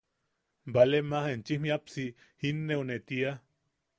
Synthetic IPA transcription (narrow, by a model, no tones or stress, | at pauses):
mbalemahent͡ʃihmiapsi | hinːeonet̪ia